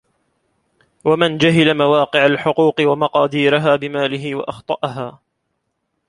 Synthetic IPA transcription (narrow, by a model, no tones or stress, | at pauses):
wamɪnd͡ʒaɦɪlamawɑːqɨʕalħʊquːqɨwamɑqɑːd̪iːɾaɦaːbɪmaːlɪɦɪwa̰ʔɑxt̪ˤɑʔɑɦaː